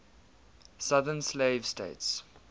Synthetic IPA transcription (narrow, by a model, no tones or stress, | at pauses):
saðənsleɪv̥stḛɪts